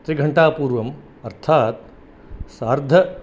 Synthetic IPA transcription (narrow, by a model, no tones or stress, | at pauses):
t̪ɾiɡʱɐɳʈaːpuːɾʋɐm | ɐɾt̪ʰaːt̪ | saːɾd̪ʱɐ